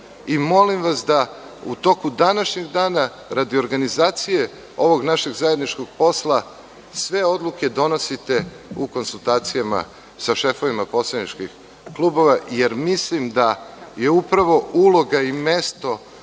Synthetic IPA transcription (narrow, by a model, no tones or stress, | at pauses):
imo̞limʋasd̪a | ut̪o̞kud̪anaʃɲeɡd̪aːna | ɾad̪io̞ɾɡanizaːt̪sije̞ | o̞ʋo̞ɡnaʃe̞ɡzaje̞d̪nit͡ʃko̞ɡ̥̚po̞slˠa | sʋe̞o̞d̪lˠuke̞d̪o̞no̞sit̪e̞ | uko̞nsulˠt̪aːt̪sijama̰ | saʃe̞fo̞ʋimapo̞slad̪nit͡ʃkix | klˠubo̞ʋajeɾmislimd̪aje̞upɾaʋo̞ulˠo̞ɡaime̞st̪o̞